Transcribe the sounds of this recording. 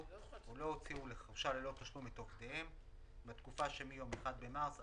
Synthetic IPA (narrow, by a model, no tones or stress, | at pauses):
ulo̞ot͡siule̞χaʁʃalelo̞t̪aʃlumit̪o̞χt̪eem | bat̪kufaʃemijo̞meχad̪̚be̞mas